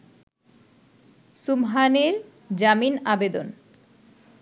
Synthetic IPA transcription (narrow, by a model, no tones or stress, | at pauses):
sumɦaneɾ | d͡ʑaminabed̪o̰n